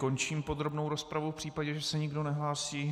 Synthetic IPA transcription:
ko̞nt͡ʃiːmpo̞d̪ɾo̞bnowɾospɾavufpr̝̥iːpaɟɛʒɛsɛɲɪɡdo̞nɛɦlaːsiː

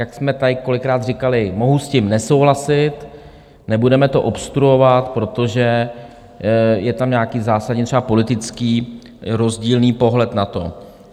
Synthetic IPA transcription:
jaksmɛt̪ajɪko̞lɪkɾaːt̪r̝ɪkalɪmo̞ɦuscɪmnɛso̞wɦlasɪt̪ | nɛbudɛmɛt̪o̞ʔopst̪ɾuo̞vat̪pɾo̞t̪o̞ʒɛ | jɛt̪amɲaːkiːzaːsadɲɛt̪r̥ɛbapo̞lɪt̪ɪt͡skiː | ɾo̞zɟiːlniːpo̞ɦlɛt̪nat̪o̞̰

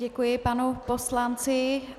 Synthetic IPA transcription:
ɛkujɪpanuposlant͡sɪ

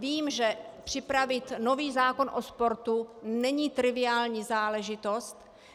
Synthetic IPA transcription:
viːmʒɛpr̝̥ɪpɾavɪt̪noviːzaːko̞nʔo̞spo̞ɾt̪unɛɲiːt̪ɾɪvɪaːlɲiːzaːlɛʒɪt̪o̞st̪

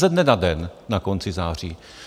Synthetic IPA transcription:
ɛdnɛnadɛnːako̞nt͡sɪzaːr̝iː

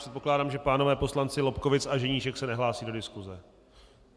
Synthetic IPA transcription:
r̥ɛt̪̚po̞klaːdaːmʒɛpaːnovɛːpo̞slant͡sɪlo̞pkovɪt͡saʒɛɲiːʃɛksɛnɛɦlaːsiːdo̞dɪskuzɛ

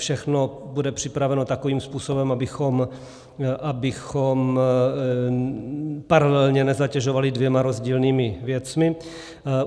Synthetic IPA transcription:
fʃɛxnobudɛpr̝̥ɪpɾavɛno̞t̪akoviːmspuːsobɛmabɪxom | ʔabɪxom | paɾalɛlɲɛnɛzacɛʒovalɪdvjɛmaɾo̞zɟiːlniːmɪvjɛt͡smɪ

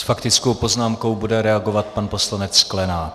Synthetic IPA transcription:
sfakt̪ɪt͡sko̞wpo̞znaːmko̞wbudɛɾɛaɡo̞vat̪̚panpo̞slanɛt͡ssklɛnaː

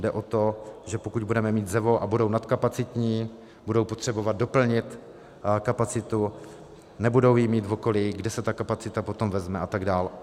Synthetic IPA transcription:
dɛʔo̞t̪o̞ʒɛpokuɟ̚budɛmɛmiːt̪zɛvo̞ʔabudo̞wnat̪kapat͡sɪt̪ɲiː | budo̞wpot̪r̝̥ɛbo̞vad̪̚do̞pl̩ɲɪt̪ | kapat͡sɪt̪u | nɛbudo̞wjɪmiːt̪voko̞liɡdɛsɛt̪akapat͡sɪt̪apo̞t̪o̞mvɛzmɛʔat̪aɡdaːl

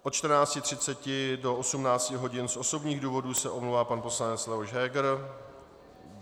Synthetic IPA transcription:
ʔot̪̚t͡ʃt̪r̩naːt͡scɪt̪r̝̥ɪtt͡sɛcɪdo̞osumnaːt͡scɪɦo̞ɟɪnsʔo̞so̞bɲiːɣduːvo̞duːsɛʔomlowvaːpanposlaɲɛt͡slɛvoʃɦɛːɡɾ

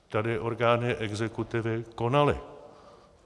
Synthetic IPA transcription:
t̪adɪʔo̞ɾɡaːnɪʔɛɡzɛkut̪ɪvɪko̞nalɪ̰

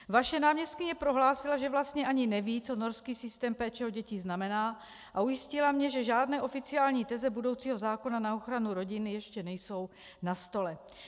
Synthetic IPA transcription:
vaʃɛnaːmɲɛst̪̚kɪɲɛpɾo̞ɦlaːsɪlaʒɛvlast̪ɲɛʔaɲɪnɛviːt͡sono̞ɾskiːsɪst̪ɛːmpɛːt͡ʃɛoɟɛcɪznamɛnaː | ʔaujɪscɪlamɲɛʒɛʒaːdnɛːʔo̞fɪt͡sɪaːlɲiːt̪ɛzɛbudo̞wt͡siːɦo̞zaːko̞nanao̞xɾanuɾo̞ɟɪnɪjɛʃcɛnɛjso̞w | nast̪o̞lɛ

